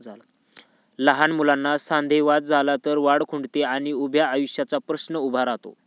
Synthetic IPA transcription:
ləɦanmulanːasand̪ʱeʋat̪̚d͡zʱalat̪əɾʋaɽkʰuɳɖt̪eaɽ̃iubʱjaːjuɕjat͡sapɾəsnəubʱaɾat̪o̰

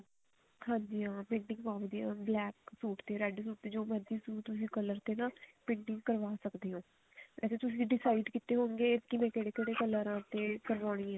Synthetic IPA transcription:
hãːɲd͡ʒiːãːpɪ̃ɳɖɪ̃ŋɡpaːʋd̪iãːblɛːksuːʈt̪eːɾɛɖsuːʈ̚t̪eːd͡ʒoːmɛd̪iːsũːt̪ʊsĩːkələɾt̪eːnãːpɪ̃ɳɖɪŋɡkəɾʋaːsəkd̪eːɦõː | ʋɛ̰ːseːt̪ʊsĩːɖɪsaːɪɖkɪt̪eːɦoːŋɡeːkɪmɛ̃ːkeːɽeːkeːɽeːkələɾãːt̪eːkəɾʋaːɽ̃ĩːãː

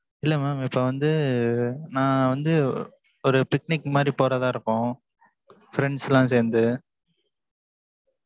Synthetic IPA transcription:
ɪlːɐmaːmɪpːoʋɐnd̪ɯ | nãːʋɐnd̪ɯ | ɔɾɯpɪk̚nɪkːmaːd̪ɾipoːɾaːðãːɪɾɯkːʊ̃ | fɪɾɛɳɖsɛlãːs̬eːɾnd̪ɯ

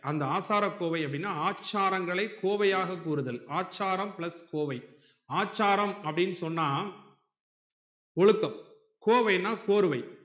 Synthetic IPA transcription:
ɐnd̪ɐaːsaːɾɐkːoːʋɐɪɐpːɐɽɪnːaːaːt͡ʃːaːɾɐŋɡɐɭɐɪkːoːʋɐjaːɣɐkːuːɾɯðɐlaːt͡ʃːaːɾɐmpɪɭɐskoːʋɐɪ | aːt͡ʃːaːɾɐmɐpːɐɽɪnːɯsɔnːaː | ɔɭɯkːɐm | koːʋɐjnːaːkoːɾɯʋɐɪ

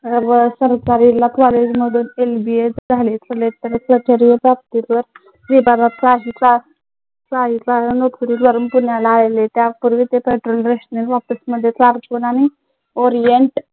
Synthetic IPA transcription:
əbəsəɾt͡saɾilat̪ʋaled͡ʑməd̪ʱuːnelbiesd͡zʱalit͡s̪əlet̪əɾkɾət͡ɕəɾiopap̚t̪it̪ʋəɾ | ɾibaɾat̪saɦit͡sa | t͡saɦit͡sanok̪ʰuɾid̪ʋəɾəmpunjalaelet̪japuɾʋit̪epeʈɾolɾeɕnelʋapəsməd̪ʱːjet͡saɾkunani | oɾijeɳʈ

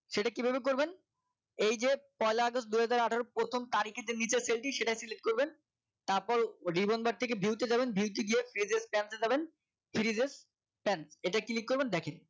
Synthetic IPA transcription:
ʃeʈakibʱebek̬oɾben | ejd͡ʑepɔjlaaɡostd̪ujɦad͡ʑaɾaʈʰaoɾopɾot̪ʰomt̪aɾikʰet̪enit͡ɕeɾselʈiʃeʈajsiliʈ̚koɾben | t̪aɾpɔɾɖibonbaɾ̚t̪ʰek̬ebʱiwt̪ed͡ʑabenbʱiwt̪̬iɡ̪iefʰiɾizespɛnsed͡ʑaben | fiɾizes | pɛnseʈakilik̚kːoɾbend̪ɛkʰen

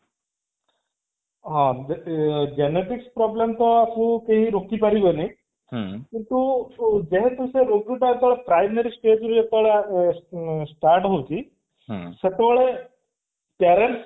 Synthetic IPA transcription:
ɦã | d͡ʒeneʈikspɾɔblemt̪ɔasũkeɦiɾokipaɾibɔneĩ | kiɳt̪ud͡ʒeɦet̪useɾoɡɾuʈaet̪ɔʋɭepɾajmeɾisʈed͡ʒɾud͡ʒet̪ɔɭe | sʈaɾʈɦowt͡ʃʰĩ | set̪eʋɔɭe | pjaɾeɳʈs

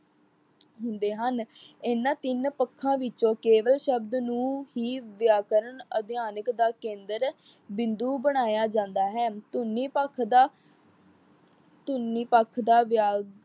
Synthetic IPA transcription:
ɦʊnd̪eːɦənɪnːãːt̪ɪnpəkʰːãːʋɪt͡ʃõːkeːʋəlʃəbd̪nũːɦiːʋɪjaːkəɾəɳəd̪jaːnəkd̪aːkẽːnd̪əɾ | bɪ̃nd̪uːbəɽ̃aːjaːd͡ʒãːnd̪aːɦɛːt̪ʊnːiːpəkʰd̪aː | t̪ʊnːiːpəkʰːd̪aːʋjaː

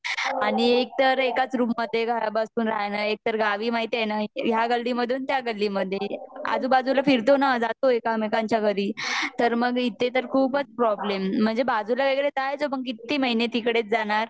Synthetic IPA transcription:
aɽ̃iek̚t̪əɾekat͡sɾuːpməd̪ʱːjeɡʱajabəsuːnɾajnaek̚t̪əɾɡaʋiːmaɦit̪eenaɦjaɡəlːiməd̪ʱuːnt̪jaɡəlːiməd̪ʱːjea̰d͡zuːbad͡zulafiɾt̪onad͡zat̪oekamekaɲt͡ɕjaɡʱəɾiːt̪əɾməɡit̪ːet̪əɾkʰuːpət͡spɾɔblem̤ːəɳd͡zebad͡zulaʋeɡɭet̪ajt͡soməɡkit̪ːiməɦinet̪ikɽet͡sd͡zanaɾ

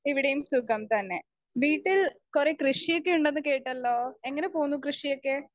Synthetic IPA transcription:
iʋiɽɐjumsukːɐmt̪ɐnːe̞ | ʋiːʈːilkure̞krɨʂijokːeuɳɖenːɨke̞ːʈːɐlːo̞ːe̞ŋːɐne̞poːnːukrɨʂijokːe

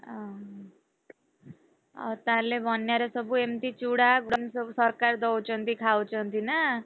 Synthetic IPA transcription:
ʌ | ʌ̰t̪ãɾlebʱʌnjaɾʌsʌbuemt̪it͡suɽaɡɽʌnsʌbusʌrkard̪ʌwt͡sʰʌnt̪ikʰawt͡sʰʌnt̪ʰinʌ

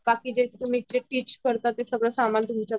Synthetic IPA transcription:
bakiːd͡ʑet̪um̤iːt͡ɕeʈiːt͡ɕkəɾt̪at̪esəɡɭəsamant̪umt͡ɕa

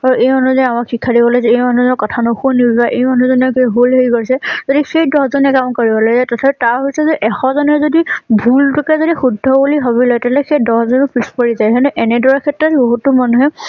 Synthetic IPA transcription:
aɹuʔejmanuzamakxikʰːadibɔlɔjzɛejmanuzɔnɔkɔtʰanɔxunizaʔejmanuzɔnɛkɦulɦejkɔɹisɛzodixejdɔzɔnɛkamkoɹibɔlaɡzajtɔtʰapɛtaɹɦoisɛzeʔɛxɔzɔnɛzodibʱultɔkazodixudʱːɔbuliɦoβilɔjtalɛxejdɔszɔnupɹispɔɹizajɦɛnɛʔɛnɛdɔɹɛkʰɛtɹɔtboɦutʊmanuɦɛ

